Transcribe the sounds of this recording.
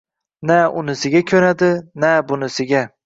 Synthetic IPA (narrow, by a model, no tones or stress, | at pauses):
naʊnɪsɪɡʲakʲʰɵɾad̪ɪnabʊnɪsɪɡʲa